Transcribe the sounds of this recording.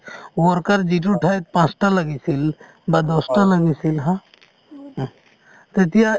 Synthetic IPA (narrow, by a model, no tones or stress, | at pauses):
wɔɾkəɾd͡ʒiʈ̬uʈʰajt̪̚pãt͡ʃʈalɐɡisil | bad̪ɔsʈaləɡisilɦã | t̪et̪ijã